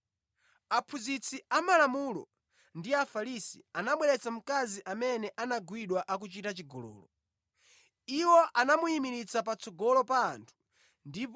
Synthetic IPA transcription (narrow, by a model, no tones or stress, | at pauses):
apʰuzit͡siamalamulɔ̰ | ndiafalisḭanaɓwɛɾɛt͡sam̩kaziʔamɛnɛʔanaɡwiɗwaʔak̬ut͡ʃitat͡ʃiɡɔlɔ̰ːlɔ | iwɔʔanamuimiɾit͡sapat͡sɔɡɔlɔpaːntʰu̥ | ndip